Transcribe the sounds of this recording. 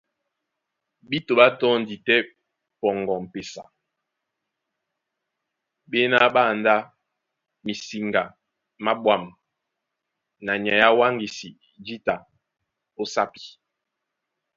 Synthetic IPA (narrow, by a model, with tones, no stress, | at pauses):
ɓi˦to˨ɓa˦tɔ˦n̩˨di˨tɛ˦ | pɔ˨ŋɡɔ˨m̩˨pe˨sa̰˨ | ɓe˦na˦ɓa˦˨nda˦ | mi˨si˨ŋɡa˨ | ma˦ɓwa˨m | na˨ɲa˨ja˦wa˦ŋɡi˨si˨ | d͡ʒi˦ta˨ | o˦sa˦pi̥˨